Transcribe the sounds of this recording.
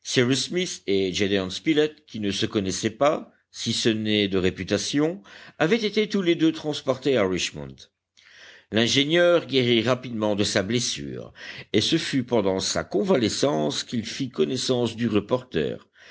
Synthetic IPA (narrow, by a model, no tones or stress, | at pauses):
siʁismised͡ʒed̪eɔ̃nspilɛt̪̚kʲinəsəkɔnɛsɛpa | sisənɛd̪əʁepyt̪asjɔ̃avɛt̪et̪et̪uled̪øt̪χɑ̃spɔʁt̪eaʁiʃmɔ̰̃nt̪ | lɛ̃ʒenjœːʁɡeʁiʁapid̪mɑ̃d̪əsablɛsy̰ːʁesəfypɑ̃d̪ɑ̃sa̰kɔ̃valɛsɑ̃skilfikɔnɛsɑ̃sd̪yʁəpɔʁt̪ɛ̰ːʁ